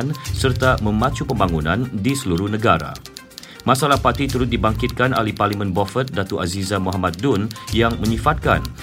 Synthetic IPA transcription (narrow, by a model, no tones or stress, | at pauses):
nsərt̪amə̃mãt͡ʃupəmbaŋunãndisəluɾʊhnəɡaɾa̰ | mãsalahpart̪it̪uɾʊt̪̚dibaŋkit̪̚kana̰lihparlimə̃nbɔfət̪̚dat̪uʔazizamuɦamat̪̚dunjaŋmə̃ɲifat̪̚ka̰n